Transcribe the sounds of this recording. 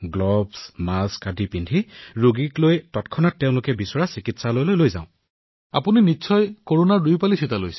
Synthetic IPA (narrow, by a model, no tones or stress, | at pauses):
ɡlɔbsmaskadipindʱiɹuɡiklojtɔtkʰɔnatːeʊ̃lʊkɛbisɔɹasikitsalojlojlojza̰ʊ̃ | a̰puninitːsʰɔjkoɹonaɹdujpalisitalojsɛ̥